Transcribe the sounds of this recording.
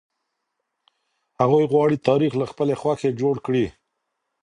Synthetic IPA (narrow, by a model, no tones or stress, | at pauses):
haɣujɣwɑɽit̪ɑɾixlaxpəlexwaxed͡ʒoɽkɽi